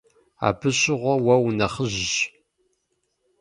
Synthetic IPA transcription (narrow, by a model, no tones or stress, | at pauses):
a̰ːbʰɨɕʼɪʁʷɔwɐwnɐχəʑɪʒ